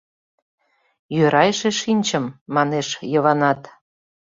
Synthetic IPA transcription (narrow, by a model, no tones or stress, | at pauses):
jøɾɑjʃeʃinʲt͡ɕəmːɑneʃjəβɑnɑt̪